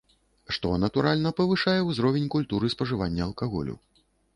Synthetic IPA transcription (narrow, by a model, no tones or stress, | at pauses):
ʂt̪ɔnɐt̪uɾalʲnɐpɐvɨʂajɛwzɾɔvʲenʲkulʲt̪uɾɨspɐʐɨvanʲːɐɐlˠkaɣɔ̰lʲṵ